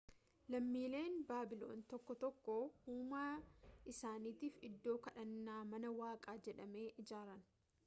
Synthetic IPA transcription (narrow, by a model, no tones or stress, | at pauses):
lɐmːiːle̞ːnbaːbɪlo̞̰ːnt̪ɔkːɔt̪ɔkːohuːmaːʔɪsaːniːt̪iːfɪd̪ːo̞ːkɐᶑɐnːaːmɐnɐwaːkʼaːd͡ʒɛᶑɐme̞ːʔɪd͡ʒaːɾɐn